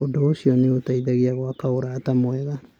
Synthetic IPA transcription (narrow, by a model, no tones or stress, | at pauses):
odoosiɔneotaiðaɣiaɣwakaoɾaːtamwɛɣa